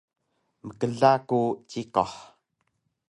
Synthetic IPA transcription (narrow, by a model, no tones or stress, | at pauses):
məkəɮakut͡ʃikɔħ